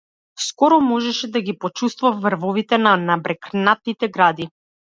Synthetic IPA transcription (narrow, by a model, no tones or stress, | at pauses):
skɔɾɔmɔʒɛʃɛd̪aɡipɔt͡ʃust̪vafːɾvɔvit̪ɛnanabɾɛknat̪̚nit̪ɛɡɾad̪i